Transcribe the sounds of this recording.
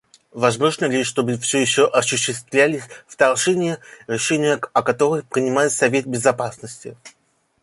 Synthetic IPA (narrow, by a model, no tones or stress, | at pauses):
vɐzmo̞ʐnəlʲɪʂt̪o̞bɨfsʲɵjɪɕːoʔɐɕʊɕːɪst̪vlʲælʲɪsʲft̪ɐrʐɛnʲɪjəɾʲɪʂɛnʲɪjəɐkɐt̪o̞ɾɨxpɾʲɪnʲɪmajɪt̪sɐvʲe̞t̪̚bʲɪzɐpasnəsʲtʲɪ